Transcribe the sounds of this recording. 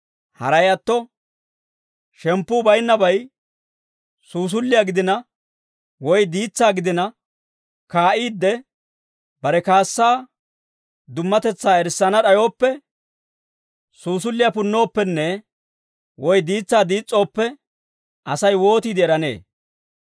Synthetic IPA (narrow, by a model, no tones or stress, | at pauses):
hɐ̰ɾɐjɐt̪ːɔ | ʃɛmpːuːbɐjnːɐbɐj | suːs̬ʊlːɪjaɡɪd̪ɪnɐ | wɔjd̪iːt͡sːaːɡɪd̪ɪnɐ | kaːʔiːd̪ːɛ | bɐɾɛkaːsːaː | d̪ʊmːɐt̪ɛt͡sːaːɛɾsːɐnɐᶑɐjo̞ːpːɛ | suːs̬ʊlːɪjapʊnːo̞ːpːɛnːɛ | wɔjd̪iːt͡sːaːd̪iːt͡sʼːo̞ːpːɛ | ʔɐsɐjwo̞ːt̪iːd̪ɪɛɾɐne̞̰ː